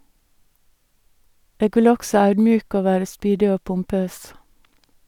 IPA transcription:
ˈeːɡ ˈʋɪl ˈɔɡsɔ ˈɑʉdmˌjʉːkə ˈoː ˈʋæːɾə ˈspyːdɪ ˈoː pʊmˈpøːs

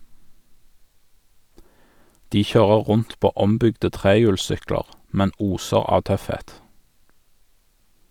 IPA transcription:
ˈdiː ˈçøːʁə ˈʁʊnt ˈpoː ˈɔmˌbʏɡdə ˈtʁeːjʉːlˌsʏkləʁ ˈmɛn ˈuːsəʁ ˈɑː ˈtœfˌheːt

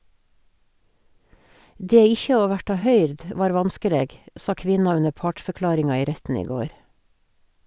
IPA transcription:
ˈdeː ˈɪçə ˈoː ˈʋæʈɑ ˈhœʏɾd ə ˈʋɑːɾ ˈʋɑnskəˌleːɡ ˈsɑ ˈkʋɪnɑ ˈʉnə ˈpɑːʈfœˌklɑːɾɪŋɑ ˈiː ˈɾɛtn̩ ˈiː ˈɡoːɾ

